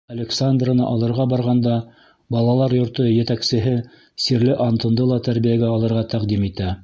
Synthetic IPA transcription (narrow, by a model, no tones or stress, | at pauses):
ɐlʲeksand̪rənɤ̰ʔɑlˠɤ̆ɾʁɑbɑɾʁɑnd̪ɑ | bɑlˠɑlˠɑɾjŏɾt̪ɤjɘ̆t̪æksɘ̆ɦɘ | siɾlɘʔɑnt̪ɤ̆nd̪ɤlˠɑt̪æɾbijæɡæɑlˠɤ̆ɾʁɑt̪æqd̪imit̪æ